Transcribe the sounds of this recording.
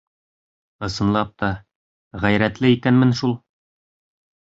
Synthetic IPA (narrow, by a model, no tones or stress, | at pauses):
ɤ̆sɤ̆nlˠɑp̚t̪ɒ | ʁæjɾæt̪lɘikænmɘnʃulˠ